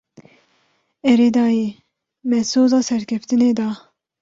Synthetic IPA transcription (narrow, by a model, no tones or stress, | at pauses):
ɛɾed̪ɑːjiː | mɛsoːzɑːsɛɾkʲʰɛft̪ɨneːd̪ɑː